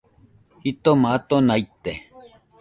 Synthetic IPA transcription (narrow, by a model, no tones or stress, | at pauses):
hit̪omat̪onajt̪e